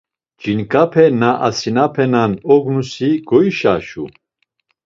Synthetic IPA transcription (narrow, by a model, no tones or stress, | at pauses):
d͡ʒinkʼapʰɛnaʔa̰sinapʰɛnanɔɡnusiɡɔiʃaʃṵ